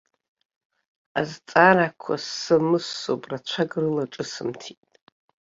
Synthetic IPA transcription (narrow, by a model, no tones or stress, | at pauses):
azt͡sʼanakʷʰa̰sɨmɨsːopʼrat͡ʃʷʰaɡrɨlaʈ͡ʂʼɨsɨmtʰitʼ